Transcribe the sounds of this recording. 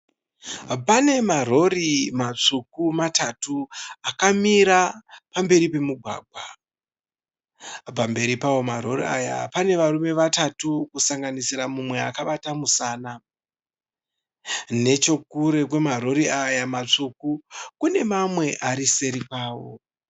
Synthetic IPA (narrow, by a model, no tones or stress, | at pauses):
pane̞maro̞rimat͡ʂukumatatuakamiɾapambe̞ɾipe̞muɡʱwa̰ːɡʱwa̰ | p̬ambe̞ɾipawo̞maɾo̞ria̰ja̰pane̞ʋarume̞ʋatatukusaŋɡanisiɾamumwe̞akaɓatamusaːna | ne̞t͡ʃo̞kuɾe̞k̬we̞maro̞ɾiajamat͡ʂukukune̞mamwe̞ʔaɾise̞ɾipaːwo̞̰